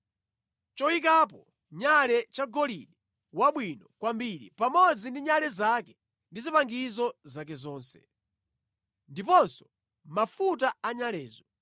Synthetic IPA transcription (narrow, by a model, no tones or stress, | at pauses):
t͡ʃɔwikap̬ɔ | ɲalɛt͡ʃaɡɔliɗɛ | waɓwinɔkwambiɾḭpamɔd͡zindiɲalɛzakɛ | ndizipaŋɡizɔzakɛzɔːnsɛ̰ | ndipɔnsɔ̥ | mafutaaɲalɛːzɔ